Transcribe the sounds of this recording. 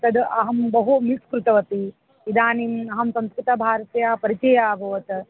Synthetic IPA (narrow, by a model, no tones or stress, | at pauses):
t̪ɐd̪ɐɦɐmbɐɦumiskɾut̪ɐʋɐt̪i | id̪aːnimɐɦɐmsɐ̃mskɾit̪ɐbʱaːɾɐt̪jaːpɐɾit͡ʃɐjaːbʱɐʋɐt̪